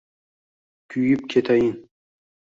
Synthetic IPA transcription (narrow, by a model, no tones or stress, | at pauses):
kʲʰyjip̚kʲʰet̪ʰajin